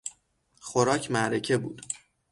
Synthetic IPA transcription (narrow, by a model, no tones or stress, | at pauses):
χoɾɒːcʰmæɾecʰe̞bṵːd̪̥